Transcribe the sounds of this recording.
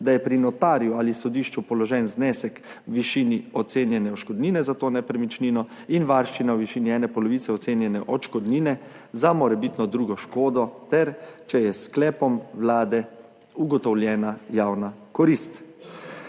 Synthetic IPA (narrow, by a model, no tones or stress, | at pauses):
d̪ajɛpɾinɔt̪aːɾjualisɔd̪iːʃt͡ʃupɔlɔʒɛːnznɛːsɛk | ʋiʃiːniɔt̪seːnjɛnɛɔʃkɔd̪niːnɛzat̪oːnɛpɾɛmit͡ʃniːnɔ | inʋaɾʃt͡ʃinawʋiʃiːniɛːnɛpɔlɔʋiːt̪sɛɔt̪seːnjɛnɛʔɔʃkɔd̪niːnɛ | zamɔɾɛbit̪nɔd̪ɾuːɡɔʃkoːd̪ɔt̪ɛɾt͡ʃɛjɛsklɛːpɔmwlaːd̪ɛ | uɡɔt̪ɔwljɛːnajaːwnakɔɾist̪